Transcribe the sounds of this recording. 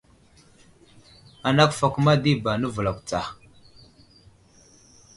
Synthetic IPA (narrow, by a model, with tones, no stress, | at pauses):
a˨na˦kfa˨kʷu˦ma˦di˦ba˨nə˦və˨la˨kʷt͡sa˨